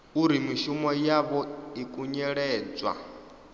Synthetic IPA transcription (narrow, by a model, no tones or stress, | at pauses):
uɾimiʃumɔjaβɔikʼuɲɛɺɛːd͡zwa̰